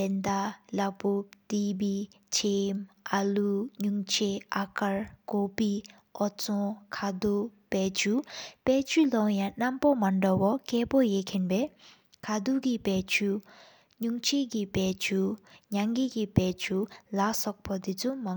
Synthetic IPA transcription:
ent̪alaʔput̪ip̬it͡ɕʰemʔaluɲuŋt͡ɕʰeakaɹkopi | ʔɔt͡sɔkʰad̪uʔ | pɛːt͡ɕʰupɛːt͡ɕʰylɔʔjanampomaɳɖ͡ʐawɔkɛːʔpojekʰenpɛː | kʰad̪uʔkipɛːt͡ɕʰu | ɲuŋt͡ɕʰeʔkipɛːt͡ɕʰuɲaŋkiːʔkipɛːt͡ɕʰulaʔsɔk̚pat̪it͡sʰuma

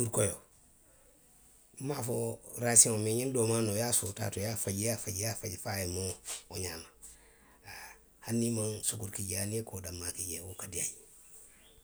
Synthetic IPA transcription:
duɾkojo | mafoɾasiomeɲindoːmanojasuta̰tojafaɟjafaɟjafaɟfajemooɲama | a | hanːimansukuɾkiɟeaniekodamːakiɟewokadiaji

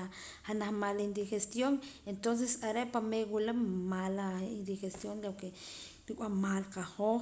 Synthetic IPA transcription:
a | hanaχmalind̪ixest̪joŋent̪ons̬esaɾeʔpameɡulamalaind̪ixest̪jonloke | pikʷʼwamalqaho

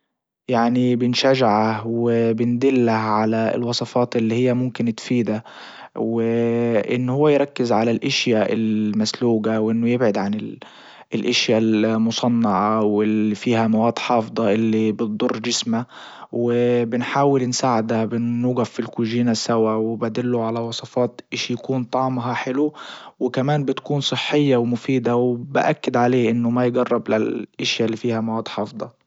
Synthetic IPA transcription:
jaʕnibɪnʃaʒaʕawɪbɪnd̪ɪlːahʕalaɪ̰lwɑsˤɑfɑːt̪ʔɪlːihɪjːamʊmkɪnt̪fiːd̪a | wɪʔɪ̰nːhʊwːajɾˤɑkːɪzʕalalʔɪʃjaʔɪ̰lmasluːɡawʔɪnːʊjɪbʕɪd̪ʕanɪl | ɪlʔaʃjalmʊsˤɑnːɑʕawɪlifiːhamawaːd̪ħɑːfd̪ˤɑʔɪlːibɨt̪̚d̪ˤʊrˤːd͡ʒɪsma | wɪbɪnħaːwɪlnsaːʕɪd̪abɪnːuːɡafːilkuʒiːnasawawɪbad̪ɪlːuʕalawɑsˤɑfɑːt̪ʔɪʃijakuːnt̪ˤɑʕmɦɑħɪluwɪkamaːnbɪt̪kuːnsˤɨħːɪjːawmʊfiːd̪awbɪ̰ʔakːɪd̪ʕaleːʔɪnːʊmajɡɑrˤːɑblalʔɪʃjalːifiːhamawɑːd̪ħɑːfd̪ˤɑ

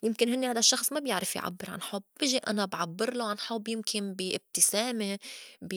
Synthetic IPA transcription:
jɪmkɪnhɪnːehad̪aʃːɑxsˤmabjɪʕɾɪfjʕa̰bːɪɾʕa̰nħobːbɪʒiʔa̰nabʕabːɪɾloʕanħʊbːjɪmkʰɪnbiʔɪb̚t̪ɪsaːmebi

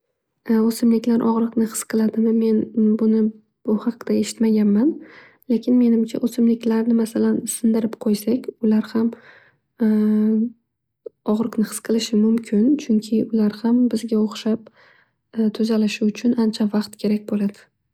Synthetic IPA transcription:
osɪmlɪkʲlaɾʔɒʁɾɨqnɪhɨ̥sqʰɨlˠad̪ɪmɪme̞nbʊnɪ | b̥ʊhɑqd̪ae̞ʃɪ̥t̪maɡʲanman | lekʲʰɪnme̞nɪmt͡ʃʰa̰ʔosɪmlɪkʲlaɾnɪmasalansɪnd̪ɪɾɪpqʰojsakʲʊlaɾham | ɒʁɾɨqnɪχɨ̥sqʰɨlˠɪʃɪmʊmkʲʰɪnt͡ʃʰʊŋkʲʰɪʊlaɾhambɪzɡʲaoχʃap | t̪ʰʊzalɪʃɪʊt͡ʃʰʊnant͡ʃʰavaqt̪kʲʰe̞ɾak̚ʲbolad̪̥ɪ̥

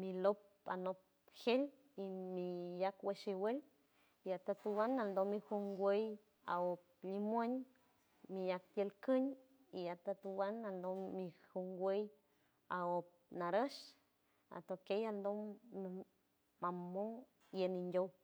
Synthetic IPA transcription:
milop̚ | a̰nop̚ | hel | imijakweʃiwel | iat̪at̪uwanald̪omihuŋɡʷej | a̰op̚ | limweɲ | mijak̚t̪jelkɨɲ | iat̪at̪uwanald̪omihuŋɡwej | aop̚naɾəʃ | a̰t̪okejald̪o | mamo | jenindʲo

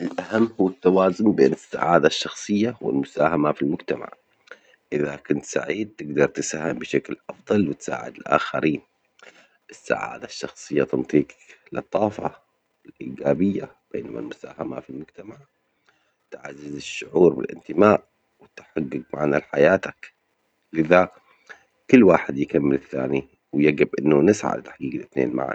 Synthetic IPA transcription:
ʔɪlʔahamːhuːat̪ːawaːzʊmbḛːnɪsːa̰ʕaːd̪aʃːɑxsˤɨjːawɪ̰lmʊsaːhamafilmʊɡt̪ama̰ʕ | ʔɪðakʊnt̪sa̰ʕiːd̪̚t̪ɪɡd̪ɑɾˤt̪ɪsaːhɪmbɪʃaklʔɑfd̪ˤɑlwɪt̪sa̰ːʕɪ̰d̪ɪlʔa̰ːxaɾʔiːn | ʔɪsːa̰ʕa̰ːd̪aʃːɑxsˤɨjːat̪ɨnt̪ˤiːqlɨt̪ˤːɑːfɑ̰ | wɪlʔiːɡaːbɪjːab̥eːnama̰lmʊsaːhama̰filmʊɡt̪amaʕ | t̪ʕazːɪzɪʃːʊʕuːɾbɪ̰lʔɪ̰nt̪ɪmaːʔ | wɪt̪ħaɡːɪɡ̚maʕnalħajaːt̪ak | lɪða | kʊlːwaːħɪd̪jɪkamːɪlɪθːa̰ːni | wɪjaɡɪbʔɪnːunɪsʕa̰d̪t̪aħɡiːɡlɪθnḛːnma̰ʕa̰n

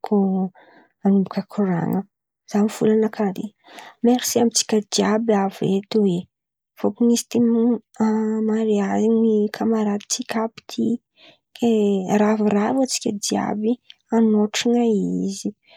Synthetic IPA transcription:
kʰu | anubukʲakʰuɾa̰ŋə | z̥amifulanakʰaɾḛ | meɾisiamit͡si̥kʲəd̪iabiavet̪uwe | v̥okunizi̥t̪em | amaɾeaziɲikʰamaɾad̪it͡sikʲapi̥t̪ʰi | keraviravat͡si̥kʲəd̪ia̰bi | anoʈ͡ʂiŋaizi

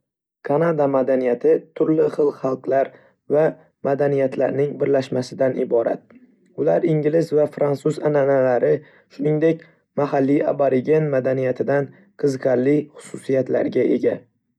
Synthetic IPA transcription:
kʰanad̪amad̪anijat̪ʰɪt̪ʰʊɾlɪχɨlˠhɑlˠqlaɾ | va | mad̪anijat̪ʰla̰ɾnɪŋbɪɾlaʃmasɪd̪anɪbɒɾa̰t̪̚ | ʊlaɾɪŋɡʲɪlɪzvafɾansuzananalaɾɪ | ʃʊnɪŋd̪ekʲ | mahalːia̰baɾɪɡʲe̞nmad̪anijat̪ʰɪd̪an | qʰɨzɨqʰaɾlːɪχʊ̥sʊsijat̪la̰ɾɡʲaʔe̞̰ɡʲa

